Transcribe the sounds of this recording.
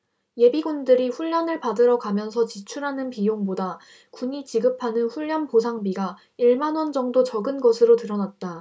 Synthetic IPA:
je̞biɡundɯɾiɸuʎːʌnɯɭpadɯɾʌɡamjʌnsʰʌt͡ɕit͡ɕʰuɾɦanɯnpijoŋboda | kuɲit͡ɕiɡɯpʰanɯnɸuʎːʌnposʰaŋbiɡa | iɭmanwʌnd͡ʑʌŋdot͡ɕʌɡɯnɡʌsʰɯɾotɯɾʌnat̚t͈a

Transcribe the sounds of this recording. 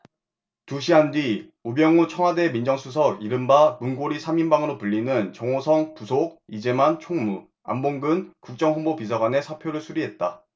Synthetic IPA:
tuɕʰiɦandi | ubjʌŋut͡ɕʰʌŋwade̞mind͡ʑʌŋsʰus̬ʰʌɡiɾɯmbamunɡoɾisʰaminbaŋɯɾopuʎːinɯnt͡ɕʌŋosʰʌŋpusʰoɡ̚id͡ʑe̞mant͡ɕʰoŋmu | a̰mboŋɡɯnkuk̚t͡ɕ͈ʌŋɦonbopis̬ʰaɡwane̞sʰapʰjoɾɯɭsʰuɾiɦe̞t̚t͈a

